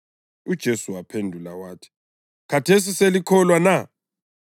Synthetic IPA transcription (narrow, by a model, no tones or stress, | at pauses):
ud̥ʒ̥ʱesuwapʰendʱulawaːtʰi̥ | kʰatʰes̬iselikʰɔlwana